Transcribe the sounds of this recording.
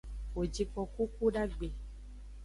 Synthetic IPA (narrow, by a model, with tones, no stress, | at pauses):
o˨d͡ʒi˧k͡pɔ˧ku˦ku˦ɖa˦ɡ͡be˨